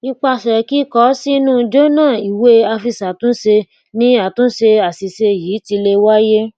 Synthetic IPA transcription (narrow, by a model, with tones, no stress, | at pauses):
i˧k͡pa˧˨ʃɛ˨ki˦kɔ˦si˦nũ˦˧d͡ʒo˦nãː˦˨i˨we˦a˧fi˧sa˨tũ˨˦ʃe˧ | nĩ˦a˨tũ˨˦ʃe˧a˨si˨se˧jiː˨˦ti˧le˧wa˦je˦